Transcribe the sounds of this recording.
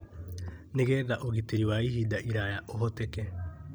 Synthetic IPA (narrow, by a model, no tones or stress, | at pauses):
neɣɛðaʔoɣiteɾiwaiɦidaʔiɾajaʔoɦɔtekɛ